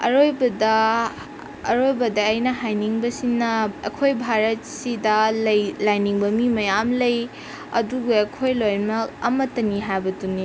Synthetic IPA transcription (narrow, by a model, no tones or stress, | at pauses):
ɐ̰ɾojbɐdɐ | ɾojbɐdɐːjnɐɦajniŋbɐsinːɐɐkʰojbʱaɾɐt̚sidɐlɐjlajniŋbɐmimɐjamlɐj | ɐ̰duɡeɐkʰojlojmɐk̚ɐ̰mɐtɐniɦajbɐtuni